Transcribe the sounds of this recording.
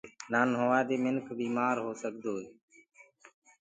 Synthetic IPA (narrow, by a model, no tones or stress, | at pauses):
naːnɦoːʋaːd̪eːmɪnkʰbiːmaːɾɦoːsəkd̪oːeː